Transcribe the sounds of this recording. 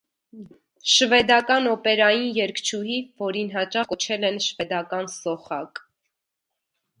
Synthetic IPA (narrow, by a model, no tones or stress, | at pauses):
ʃvɛd̪ɑkɑnɔpɛɾɑjinjɛɾkʰt͡ʃʰuɦivɔɾinɦɑt͡ʃɑχkɔt͡ʃʰɛlɛnʃvɛd̪ɑkɑnsɔχɑk